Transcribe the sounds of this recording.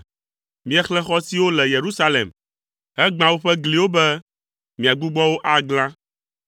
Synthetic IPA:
mĩ˦ɛ˦xlɛ̃˦xɔ˦si˦wo˦lɛ˨je˨ɾu˦sa˦lḛ˨m | ɦɛ˦ɡ͡bã˨wo˦ɸɛ˦ɡli˨wo˦bɛ˦ | mĩ˨a˨ɡ͡bu˦ɡ͡bɔ˦wo˦ʔa˦ɡlã˦

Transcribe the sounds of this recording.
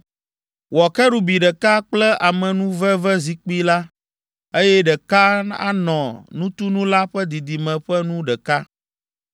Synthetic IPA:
wɔ˨kɛ˦ɖu˨bi˨ɖɛ˨ka˦k͡plɛ˦ʔa˨mɛ̃˨nũ˦vɛ˦vɛ˦zi˨k͡pi˦la˦ | e˦jɛ˦ɖɛ˨ka˦a̰˦nɔ̃˨nũ˦t̪u˦nũ˦la˦ɸɛ˦d̪i˨d̪i˨mɛ̃˨ɸɛ˦nũ˦ɖɛ˨ka˦

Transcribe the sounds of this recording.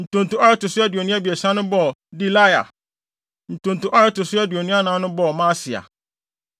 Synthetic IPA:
n̩˨tʊ̃˨n̩˨tʊ˨˦a˦ɾɪ˦tʊ˨sʊ˦ɛ˦dɥo˨nʊ̃˦a˦bi˨e˨sã˦nʊ̃˦bɔ˦˨di˨la˦ja̰˨ | n̩˨tʊ̃˨n̩˨tʊ̃˨ʔa˦ɾɪ˦tʊ˨sʊ˦ɛ˦di˨o˨nĩ˦a˦nãː˨˦nʊ̃˦bɔ˦˨mãː˦sɪ˨a̰˨

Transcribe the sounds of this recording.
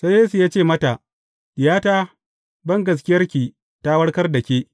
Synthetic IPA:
sa˦jeː˦su˨jaː˦t͡ʃeː˦˨mɐ˦ta˨ʔ | ɪ˨jaː˦taː˦ | bɐ˦ŋɡɐ˨s̬kʲɪ˦jɐ˦rkʲiː˨ | ta˦wɐ˦ɽkɐ˦rdɐ˨kʲeː˦

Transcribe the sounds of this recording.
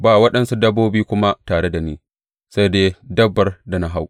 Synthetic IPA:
baː˨wɐ˦ɗɐ˨nsu˦dɐ˦bːoː˦biː˦kʷʊ˦ma˦taː˨ɽe˦da˨niː˦ | sa˦jdeː˦dɐ˦bːɐ˨rda˨na˦ɦa˦w

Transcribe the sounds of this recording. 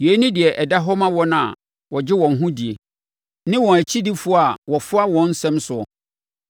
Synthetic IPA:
je˨˦nɪ̃˦dɪ˨ɛ˨ʔɛ˨da˦ɦɔ˦mã˦wɔ˦nʊ̃˨a̰˨ | wɔ˨d͡ʑɪ˦wɔ̃˨n̩˨ɦũ˦di˨e˨ | nɪ̃˦wɔ̃˨æ˨t͡ɕʰi˦di˦fʊ˦˨a˨wɔ˨fʊ˦a˦wɔ̃˨n̩˦sɛ̃˦msʊ˨ɔ̰˨

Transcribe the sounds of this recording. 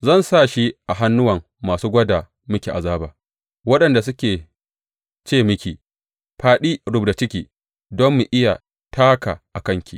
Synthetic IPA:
zɐ˦˨nsaː˦˨ʃi˦ʔa˨ɦa˦nːʊ˦wɐ˨ŋːaː˨suː˦ɡʷɐ˦da˨ | mʊ˦kʲi˨ʔa˨zaː˦baː˨ | wɐ˦ɗɐ˨nda˨s̬ʊ˦kʲeː˨ | t͡ʃeː˦mɪ˦kʲiː˨ | ɸaː˨ɗiː˦ɽʊ˨bda˨t͡ʃɪ˦kʲiː˨ | dɔ˦mːu˨ʔɪ˦ja̰˨ | tʰaː˦ka̰˨ʔa˨kɐ˦ŋkʲʰḭ˨

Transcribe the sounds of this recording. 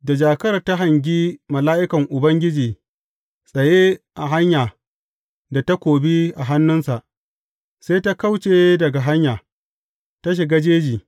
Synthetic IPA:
da˨d͡ʒaː˨kɐ˦ɾta˦ɦa˨ŋɡʲiː˦mɐ˨laː˦ʔɪ˦kɐ˨ŋʔʊ˨bɐ˦ŋɡʲɪ˦d͡ʒiː˨ | sʼɐ˨je˦ʔa˨ɦa˦ɲjaː˨ | da˨ta˦kʷoː˨bi˦ʔa˨ɦa˦nːʊ˦nsa˨ʔ | se˦jta˦ka˦wt͡ʃeː˦dɐ˨ɡa˨ɦa˦ɲjaː˨ | ta˦ʃ̬ɪ˨ɡa˦d͡ʒeː˦d͡ʒiː˨

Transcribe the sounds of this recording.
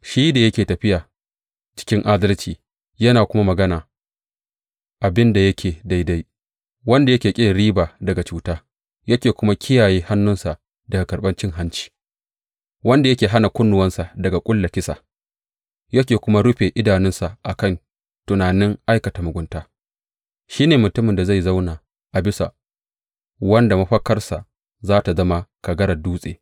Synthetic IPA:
ʃiː˦da˨jɐ˦kʲeː˨tɐ˨ɸɪ˦jaː˨ | t͡ʃɪ̥˦kʲɪ˦ŋʔa˦dɐ˦lt͡ʃiː˨ | jɐ˦naː˨kʷʊ˦ma˦mɐ˨ɡɐ˦naː˨ | ʔa˨bɪ˦nda˨jɐ˦kʲʰeː˨da˦jda˦j | wɐ˦nda˨jɐ˦kʲeː˨kʲʼe˦˨ɾiː˦baː˨dɐ˨ɡa˨t͡ʃuː˦taː˦ | jɐ˦kʲeː˨kʷʊ˦ma˦kʲʰɪ˦jaː˨jeː˦ha˦nːʊ˦nsa˨ʔ | dɐ˨ɡa˨kɐ˨ɾɓɐ˦nt͡ʃɪ˦ŋɦa˦nt͡ʃi̥ː˦ | wɐ˦nda˨jɐ˦kʲeː˨ɦa˦na˨kʷʊ˦nːʊ˨wɐ˦nsa˨dɐ˨ɡa˨kʷʼʊ˦lːɐ˨kʲɪ˦sa̰˨ | jɐ˦kʲeː˨kʷʊ˦ma˦ɽʊ˦ɸeː˨ʔɪ˦daː˨nɪ˦nsa˨ʔa˨kɐ˦˨n | tʊ˨naː˨nɪ˦ŋʔa˦jkɐ˨ta˨mʊ˨ɡʷʊ˨˦ntaː˦ | ʃiː˦neː˨mʊ˨tʊ˦mɪ˨nda˨za˦˨jza˦wnaː˨ | ʔa˨bɪ˦sa̰˨ | wɐ˦nda˨mɐ˦ɸɐ˦kɐ˦rsa˨ʔ | zaː˦ta˨zɐ˦ma˦ka˨ɡɐ˦ɾɐ˨duː˦sʼḛː˨

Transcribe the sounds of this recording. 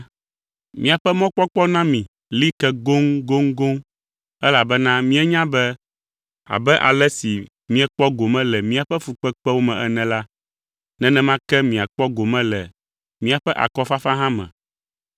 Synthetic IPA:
mĩ˦a˨ɸɛ˦mɔ̃˦k͡pɔ˦k͡pɔ˦nã˦mĩ˨ | li˦kɛ˦ɡo˦ŋɡo˦ŋɡo˦ŋ | ɛ˦la˨bɛ˦nã˦mĩ˦ɛ˦ɲã˦bɛ˦ | a̰˨bɛ˦ʔa̰˨lɛ˦si˨ | mĩ˦ɛ˦k͡pɔ˦ɡo˨mɛ̃˦lɛ˨mĩ˦a˨ɸɛ˦fu˨k͡pɛ˦k͡pɛ˦wo˦mɛ̃˨ʔɛ˦nɛ̃˨la˦ | nɛ̃˦nɛ̃˦mã˦kɛ˦mĩ˨a˨k͡pɔ˦ɡo˨mɛ̃˦lɛ˨ | mĩ˦a˨ɸɛ˦ʔa̰˨kɔ˦fa˦fa˦ɦã˦mɛ̰̃˨

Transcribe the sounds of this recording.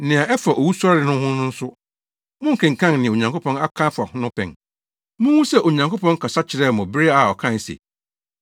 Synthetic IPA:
nɪ̃˨a˨ʔɛ˦fa˨ʔɔ˨wu˦su˦a˦ɾɪ˨˦nʊ̃˦hʊ̃˦nʊ̃˦n̩˦sʊ˦ | mʊ̃˦ŋ̩˨kʰɪ̃˨ŋ̩˨kʰã˦nnɪ̃˨o˨ɲã˨ŋkʰo˦pʰɔ̃˦na˦kʰã˦fa˨hʊ̃˦nʊ̃˦pʰɛ̰̃˨n | mʊ̃˦wũ˦sɛ˨ʔo˨ɲã˨ŋko˦pɔ̃˦ŋ˦kʰa˨sa˦t͡ɕʰɪ˨ɾɛ˦˨mʊ̃˨bɪ˦ɾɪ˦a˨ɔ˨kʰã˦˨n˨sḛ˨

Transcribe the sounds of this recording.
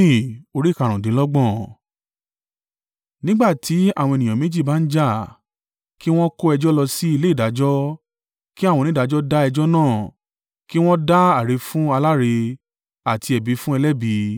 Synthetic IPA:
ĩ˦˨o˧ɾi˦˨ka˨˧˨ɾ̃ã˨dĩ˨˦lɔ˦ɡ͡bɔ̃˦˨ | nĩ˦ɡ͡ba˦˨ti˨˦a˦˨w̃ɔ̃˧e˨nĩ˨ã˨mẽ˨˦d͡ʒi˦˨ba˦n̩˦d͡ʒa˦˨ | ki˦w̃ɔ̃˦ko˦ɛ˧d͡ʒɔ˦lɔ˧si˦i˧le˦i˦˨da˨˦d͡ʒɔ˦ | ki˦a˦˨wɔ̃˧nĩ˦da˨˧˦d͡ʒɔ˦da˦ɛ˧d͡ʒɔ˦nãː˦˨ | ki˦w̃ɔ̃˦da˦a˨ɾe˨˧fũ˦a˧la˦ɾe˧ | a˨tʰi˧ɛ˨bi˨˧˦fũ˦ɛ˧lɛ˦bi˧˦

